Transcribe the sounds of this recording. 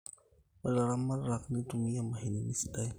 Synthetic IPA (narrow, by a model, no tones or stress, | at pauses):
pəlaɾamːanɾaknit̪umijamaɦininisi̥t̪aj